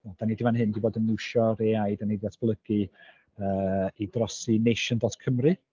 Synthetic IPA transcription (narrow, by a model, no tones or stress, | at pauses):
ad̥anidivanɦɨndiboːdənnɪwʃɔɾeajdanidvatʰb̥lˠəɡ̥ɨ | əidrɔsinejʃəndɔtkʰəmrɨ